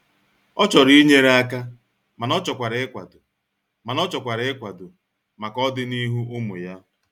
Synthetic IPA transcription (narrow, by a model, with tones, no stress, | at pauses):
ɔ˦t͡ʃɔ˨ɾi˦ɲe˦ɾa˦ka˦ | ma˨nɔ˦t͡ʃɔ˨kʷa˨ɾɪ˨ɪ˦kʷa̰˨dʊ˨ | ma˨nɔ˦t͡ʃɔ˨kʷa˨ɾɪ˨ɪ˦kʷa˨dʊ˨ | ma˨kɔ˦dɪ˦ni˦ɦu˦ʊ˦mʊ̰˨ja˦